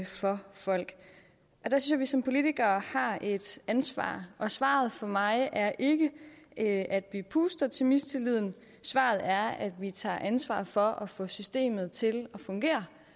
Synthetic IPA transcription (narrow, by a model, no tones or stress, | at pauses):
fɒ̽fɒ̽l̰ɡ̥ | ʔɒ̽d̥æsyn̩sjɑʋisɒ̽mpʰo̝lit͡siɡ̥ɐːhɑ̈ʔe̝d̥ænsʋɑ̰̈ːʔɒ̽sʋɑ̰̈ːð̞̩ˠfɒmɑ̈ɪæɐʔe̝ɡ̥əʔʔæd̥ʋipʰuːsd̥ɐt͡sʰe̝lmisd̥t͡sʰe̝lið̰ˠn̩ | sʋɑ̰̈ːð̞̩ˠæɐæd̥ʋit͡sʰɑ̰̈ːʔænsʋɑ̰̈ːfɒ̽ʔɒ̽fɔ̰̽ːsysd̥e̝̰ːmð̞̩ˠt͡sʰe̝lɒ̽fɔ̽ŋɡ̥e̝̰ːɐ